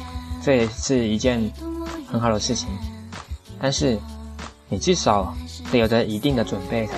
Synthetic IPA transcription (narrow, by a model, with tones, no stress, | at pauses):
ʈ͡ʂɤ˥˧˨ʂɻ̩˥˩i˧˥t͡ɕjɛ˥˩nxə˧˥nxɑ˨˩ʊd̪ə˦ʂɻ̩˥˩t͡ɕʰi˨˦ŋ | t̪a˥˧nʂɻ̩˥˩ | ni˨˩ʈ͡ʂɻ̩˥˩ʂɑ˨˥˦ʊ˥˩jo˨˩d̪ə˧ʔi˧˥t̪i˥˩ŋd̪ə˩ʈ͡ʂwə˨˩npe˥˩ɪ